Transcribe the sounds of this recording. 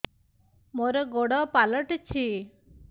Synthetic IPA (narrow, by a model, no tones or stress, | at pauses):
mɔɾɔɡɔɽɔpalɔʈt͡ʃʰi